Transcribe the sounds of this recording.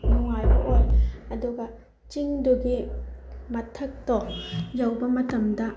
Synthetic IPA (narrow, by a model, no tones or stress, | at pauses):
nuŋajbɐ̰ʔɔjɐduɡɐ | t͡ʃiŋduɡi | mɐtʰɐk̚tɔjawbɐmɐtɐmdɐ